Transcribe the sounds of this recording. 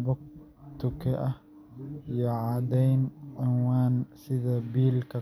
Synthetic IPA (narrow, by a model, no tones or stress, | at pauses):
bʊk̚ | t̪ʊkɛʔɐ | jɐʕad̪ɛjnʕʊnwaːnsɪðɐbiːlkɐ